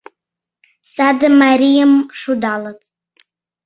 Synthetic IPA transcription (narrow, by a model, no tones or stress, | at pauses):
sad̪ɨmaɾijamʂud̪alˠatʰʼ